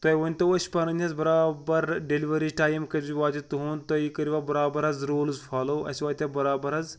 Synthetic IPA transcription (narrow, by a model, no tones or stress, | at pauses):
t̪ojʋɐnʲt̪ɐɐsʲpɐnɐnʲɐzbɐɾaːbɐɾɖeliʋɐɾiːzʈaːjmkɐziʋaːt͡ʃʲit̪ɦuːnt̪oikɐɾiʋaːbɐɾaːbɐɾɐzɾoːlzfʰaːloːɐ̰sʲʋaːt̪ʲɐbɐɾaːbɐɾɐz